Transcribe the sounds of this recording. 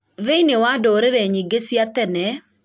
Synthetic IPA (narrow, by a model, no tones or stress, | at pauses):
ðɪnɪwadɔɾeɾeɲiɡesjat̪ɛnɛ